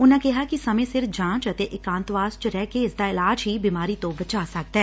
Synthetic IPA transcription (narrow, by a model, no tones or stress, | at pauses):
ʊnãːkɪɦaːkisəmẽːsɪɾfd͡ʒãːt͡ʃət̪eːʔɪkãːnt̪ʋaːzt͡ʃɾɛːkeɪsd̪aːɪlaːd͡ʒɦiːbiːmaːɾiːt̪õːbət͡ʃaːsək̚d̪ɛː